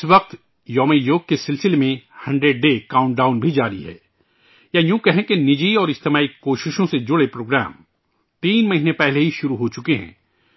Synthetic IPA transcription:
ɪsʋɐq̚t̪ | jɔːmejoːɡ̚kesɪlsɪlemẽhɐ̃ɳɖɾeɖ̚ːeːkaːʊ̃ɳʈɖaːʊnbʱid͡ʒaːɾiɦɛ̰ː | jajũːkɛɦẽkenɪd͡ʒiɔːɾɪst̪emaːikoːʃɪʃõsed͡ʒʊɽepɾoːɡɾæ̰ːm | t̪iːnmɐɦiːnẽpɛɦleɦiʃʊɾuɦot͡ʃʊkeɦɛ̰̃ː

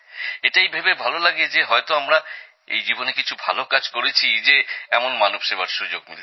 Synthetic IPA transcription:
eʈajbʱebebʱalolaɡed͡ʑeɦɔet̪oamɾa | ḛjd͡ʑibonekit͡ɕʰubʱa̰lokad͡ʑkoɾet͡ɕʰid͡ʑeɛmonmanubʃebaɾʃud͡ʑoɡ̚nil

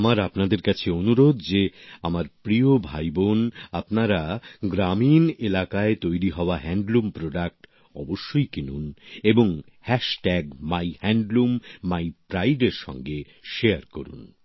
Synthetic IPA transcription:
amaɾapnad̪eɾkat͡ɕʰeonuɾod̪d͡ʑeamaɾpɾiobʱajbonapnaɾaɡɾaminelakaet̪ojɾiɦɔoaɦɛɳɖlumpɾoɖak̚ʈ | ɔboʃːojkinuneboŋ | hɛʃʈɛɡmajhɛɳɖlumːajpɾajɖeɾʃɔ̰ŋɡe | ʃeaɾkoɾṵn

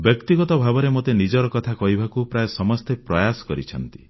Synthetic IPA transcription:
bjɔkt̪iɡɔt̪ɔbʱabɔɾemot̪enid͡ʒɔɾɔkɔt̪ʰakɔɦibʱakupɾajesɔmɔst̪ʰepɾɔjasɔ̥kɔɾit͡ʃʰɔnt̪i̥

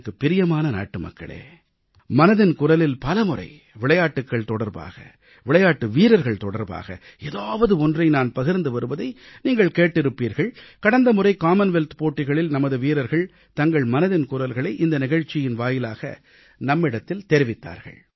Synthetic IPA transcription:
kːɯpːɪɾɪjɐmaːnɐna̰ːʈːɯmɐ̰kːɐ̰ɭḛː | mɐnɐðɪnkʊɾɐlɪlpɐlɐmɯrɐ̰ɪ | ʋɪɭɐjaːʈːɯkːɐɭt̪ɔɽɐɾba̰ːɣɐ̰ | ʋɪɭɐjaːʈːɯʋiːɾɐɾɣɐɭt̪ɔɽɐɾba̰ːɣɐ̰ | eːðaːʋɐðɯɔndrɐɪnaːnpɐɣɪɾnd̪ɯʋɐɾɯʋɐðɐɪniːŋɡɐɭkeːʈːɪɾɯpːiːɾɣɐɭkɐɽɐnd̪ɐmɯrɐɪkaːmɐnʋɛlt̪poːʈːɪɣɐɭɪlnɐmɐðɯʋiːɾɐɾɣɐɭ | t̪ɐŋɡɐɭmɐnɐðɪnkʊɾɐlɣɐɭɐɪʔɪnd̪ɐnɪɣɐɻt͡ʃːɪjɪnʋaːjɪlaːɣɐ̰ | nɐmːɪɽɐt̪ːɪlt̪ɛɾɪʋɪt̪ːa̰ːɾɣɐ̰ɭ

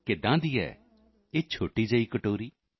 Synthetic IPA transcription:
kɪd̪ãːd̪iːɛ̰ː | eːt͡ʃʰoːʈiːd͡ʒəiːkəʈoːɾiː

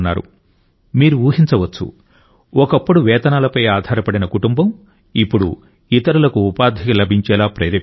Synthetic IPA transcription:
nːa̰ːɾṵ | miːɾuʋuːɦint͡ʃɐʋɐt͡ʃːṵ | ɔkɐpːuɽuʋɛːt̪ɐnaːlɐpɐjaːd̪ʱaːɾɐpɐɽinɐkuʈumbɐm | ipːuɽṵ | it̪ɐɾulɐkuːpaːd̪ʱikilɐbʱiɲt͡ʃɛːlaːpɾɐjɾe

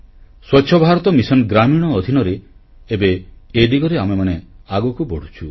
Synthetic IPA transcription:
swɔt͡ʃʰɔbʱaɾɔt̪ɔmisɔnɡɾamiɽ̃ɔːd̪ʱinɔɾeː | beed̪iɡɔɾeamemaneaɡɔkubɔɽ̤ut͡ʃʰu

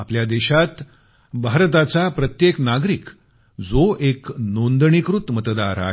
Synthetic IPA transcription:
apljad̪eɕat̪ | bʱaɾt̪̬at͡sapɾət̪jeknaɡɾik | d͡zoʔeknond̪ɳikɾut̪mət̪d̪aɾa̰

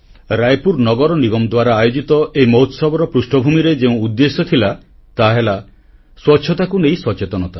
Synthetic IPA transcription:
ɾajpuɾnɔɡɔɾɔniɡɔmd̪waɾaːjod͡ʒit̪ɔʔejmoɦut̪sɔbɔɾɔpɾusʈɔbʱumiɾed͡ʒeũud̪ːesɔt̪ʰila | t̪aɦela | swɔtːʃʰɔt̪akunejsɔt͡ʃet̪ɔnɔt̪a

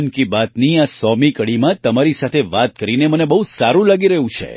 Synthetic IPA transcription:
nkibat̪niasɔmikəɽimãt̪əmaɾisat̪ʰeʋat̪̚kəɾinemənebəɦusaɾũlaɡiɾəɦũt͡ʃʰḛ

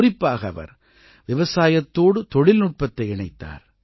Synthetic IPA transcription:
rɪpːaːɣɐɐʋɐ̰ɾ | ʋɪʋɐsaːjɐt̪ːoːɽɯt̪ɔɻɪlnʊʈ̚pɐt̪ːɐɪɪɳɐɪt̪ːa̰ːɾ

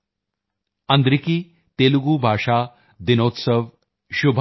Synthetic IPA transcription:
ɐ̃nd̪ɾikiː | t̪eːluɡuːbʱaːʂaː | d̪inoːt̪səʋ | ɕubʱ

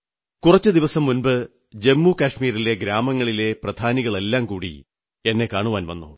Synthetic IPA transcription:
kurɐt͡ɕːɨd̪iʋɐsɐmːunbɨ | d͡ʑe̞mːukɐʂmiːɾile̞ɡɾaːmɐŋːɐɭile̞prɐd̪ʱaːniɣɐɭe̞lːaːmkuːɽḭ | e̞nːe̞kaːɳuʋaːnʋɐ̰nːṵ

